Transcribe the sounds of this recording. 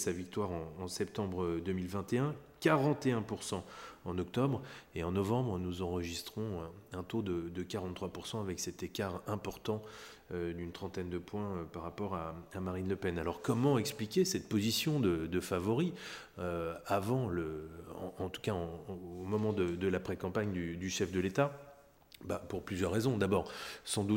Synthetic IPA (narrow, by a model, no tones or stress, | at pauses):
savik̚t̪waʁɑ̃ːsɛpt̪ɑ̃bʁəd̪əmilvɛ̃t̪eɛ̃kaʁɑ̃t̪eɛ̃puʁsɑ̃ɑ̃nɔk̚t̪ɔbʁeɑ̃nɔvɑ̃bʁənuzɑ̃ʁəʒist̪χɔ̃ɛ̃t̪od̪əd̪əkaʁɑ̃t̪ːχwapuʁsɑ̃avɛksɛt̪ekaʁɛ̃pɔʁt̪ɑ̃ | ød̪ynt̪χɑ̃t̪ɛnd̪əpwɛ̃øpaʁːapɔʁaamaʁinləpɛnalɔʁkɔmɑ̃ɛksplikʲesɛt̪̚pozisjɔ̃d̪əd̪əfavɔʁi | øavɑ̃ləɑ̰̃ːt̪u̥kaɑ̃omɔmɑ̃d̪əd̪əlapχekɑ̃paɲd̪yd̪yʃɛfd̪əlet̪a | bapuʁplyzjœʁːezɔ̃d̪abɔʁsɑ̃d̪u